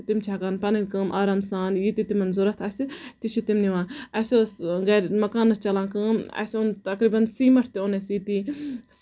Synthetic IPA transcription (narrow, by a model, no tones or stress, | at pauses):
t̪imt͡ʃʰakaːnpɐnikəːmʔaːɾaːmsaːnjit̪it̪imɐnzuɾɐt̪ʰɐsit̪it͡ʃʰit̪imniʋãːnɐsosɡɛːɾmɐkaːnɐst͡ʃɐlãːkəːmɐ̰sõnt̪ɐkɾiːbɐnsiːmɐʈʰt̪iõnesit̪iːs